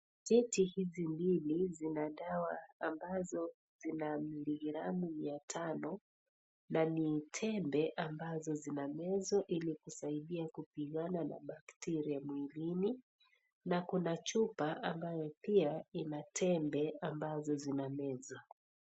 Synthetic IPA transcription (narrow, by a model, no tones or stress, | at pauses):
tɛtihizimbilizinaɗawaːmbazɔ | zinamiliɣiɾamujatʰanɔ | nanitʰɛmbɛʔambazɔzinamɛzɔʔilikusaiɗiakupiɠanana̰ɓaktɛɾiamwilini | nakunat͡ʃupaʔambajɔpiainatʰɛmbɛambazɔzinamɛza